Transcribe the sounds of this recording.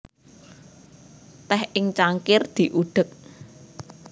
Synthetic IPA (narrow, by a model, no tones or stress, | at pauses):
t̪ɛhɪŋt͡ʃaŋkɪrd̪̥i̤ʔuɖ̪̥ək̚